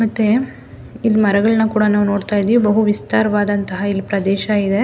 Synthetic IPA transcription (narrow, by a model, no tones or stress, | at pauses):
mɐt̪ːe | ilːimɐɾɐɡɐɭnɐkuːɽɐnaːʋno̞ːɽt̪aːjid̪iːʋibɐɦuʋist̪aːɾɐʋaːd̪ɐnt̪ɐɦɐilːipɾɐd̪ɛːʃɐid̪e̞